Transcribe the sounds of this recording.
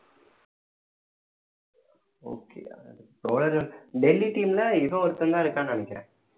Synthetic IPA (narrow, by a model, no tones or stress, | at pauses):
o̰ːkːḛːʈoːlɐɾolɖɛlːiʈiːmlɐɪʋɐ̃ɔɾɯt̪ːɐnd̪ãːɪɾɯkːãːnɐɳɛkʲːɾɛ̰̃ː